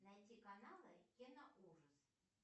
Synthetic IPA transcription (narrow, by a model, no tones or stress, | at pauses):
najtʲikanalˠɨjʲenaʔuʐəs